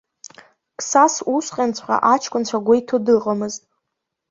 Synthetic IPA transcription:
kʼʰsasusqʲʼant͡sʷʰχa̰ʔat͡ʃʰkʷʊnt͡ɕʷʰaɡʷaitʰudɨqʼamɨztʼ

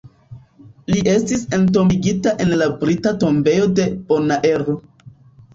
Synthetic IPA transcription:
liʔe̞stise̞nto̞miɡitaʔe̞nlabɾitato̞mbe̞jo̞de̞b̥o̞naʔe̞ɾo

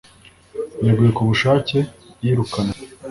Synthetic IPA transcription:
jaɡuje̞kuβuʃaːce̞ | jiɾukana

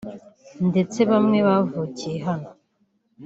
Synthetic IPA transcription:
nde̞t͡se̞βamŋe̞βavuːcije̞ɦano

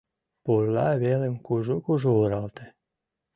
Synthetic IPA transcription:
polːɑβelemkuʒokuʒooɾɑlt̪e

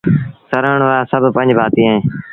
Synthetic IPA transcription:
səɾəɳʋaːsəbʱpə̃ɲd͡ʒbʱaːt̪ĩːɦẽː

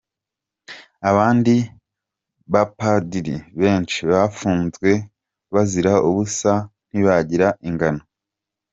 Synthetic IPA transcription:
aβaːndi | βapadiɾiβe̞ːnt͡ʃiβafuːnzɡwe̞ | βaziɾaʔuβusan̥iβaɟiɾaʔiŋɡano

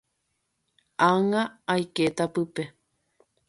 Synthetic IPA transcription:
aŋaajket̪apɨpe

